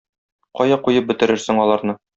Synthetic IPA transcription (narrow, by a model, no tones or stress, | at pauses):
qɒjɑqujɤp̚bɘ̆t̪ɘ̆ɾɘɾsɘ̆ŋɒlˠɑɾnɤ